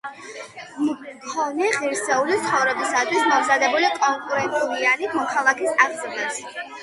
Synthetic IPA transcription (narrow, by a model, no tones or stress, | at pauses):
mkʰɔnɛʁiɾsɛulit̪sʰχɔvɾɛbisad̪wismɔmzad̪ɛbulikʼɔŋkʼuɾɛnt̪ʼulianikʰmɔkʰalˠakʰisaʁzɛnɛps